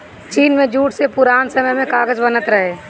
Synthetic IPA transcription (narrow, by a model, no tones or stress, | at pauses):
t͡ʃiːnmẽd͡ʒuːʈsepʊɾaːnsəməjmẽkaːɡəd͡ʒbənət̪ɾəɦe